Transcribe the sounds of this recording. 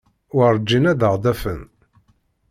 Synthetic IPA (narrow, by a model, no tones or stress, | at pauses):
wəɾˤd͡ʒːinæðəʁd̪æfən